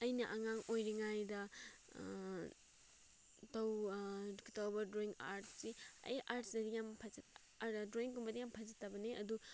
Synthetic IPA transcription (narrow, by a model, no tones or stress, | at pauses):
ɐjnɐʔɐŋaŋojɾiŋajdɐ | tɐwduktɐwbɐdɾoiŋa̰ɾtsiɐ̰jaɾtsdɐdijampʰɐzɐt | adoiŋkumbɐdijampʰɐzɐtːɐbɐneʔɐdu